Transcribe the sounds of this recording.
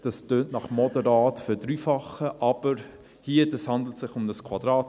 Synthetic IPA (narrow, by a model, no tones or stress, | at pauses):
d̥ɑstøːnʔnɑχmɔdəɾɑːtfødɾyːfɑχəʔɑb̥əɾ | hiəd̥ɑshɑndl̩tsɪχʊmdəskʰwɑdɾɑːt